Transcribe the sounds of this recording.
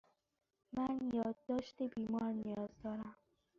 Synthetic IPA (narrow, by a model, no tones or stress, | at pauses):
manjɒd̪̚ːɒʃt̪ebimɒɾnijɒzd̪ɒɾam